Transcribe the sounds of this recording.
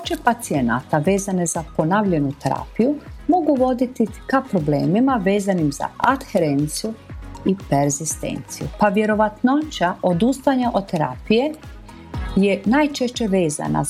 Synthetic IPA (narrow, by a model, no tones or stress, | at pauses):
t͡ʃepat̪siena̰t̪aʋe̞ːzane̞zapo̞naʋʎe̞nut̪eɾa̰ːpijumo̞ɡuʋo̞d̪it̪ikapɾo̞bleːmimaʋe̞ːzanimz̥a̰at̪xeɾe̞nt̪sijuipeɾzist̪ḛːnt̪sijṵpaʋje̞ɾo̞ʋat̪not͡ʃaʔod̪ust̪aɲaʔo̞d̪t̪eɾa̰ːpije̞ | jenajt͡ʃe̞ʃt͡ɕe̞ʋeːza̰na̰